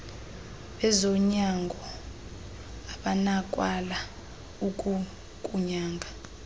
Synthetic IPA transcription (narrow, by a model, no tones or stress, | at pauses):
ɛzɔɲaŋɡʱɔ | aɓanakʼwala | ukʼu | kʼuɲaːŋɡʱa